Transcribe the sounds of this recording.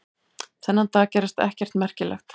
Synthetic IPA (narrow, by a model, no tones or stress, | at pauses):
θɛnːant̪aːcɛːɾɪst̪ɛ̰hcɛr̥t̪mɛr̥cɪlɛ̰xt̪